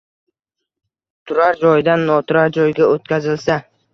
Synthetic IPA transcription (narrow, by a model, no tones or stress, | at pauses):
t̪ʰʊɾaɾd͡ʒɒjd̪anːɒt̪ʰʊɾaɾd͡ʒɒjɡʲaot̪kʲʰazɪlsa